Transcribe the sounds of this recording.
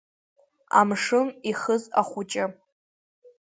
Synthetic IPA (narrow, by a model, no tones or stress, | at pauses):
a̰mʂɨmiχəza̰χʷʊt͡ʃʼɪ